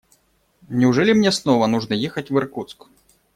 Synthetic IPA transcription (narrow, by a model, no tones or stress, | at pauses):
nʲɪʊʐɛlʲimnʲɛsnɔvɐnuʐnɐjɛxɐtʲvɨrkut̪sk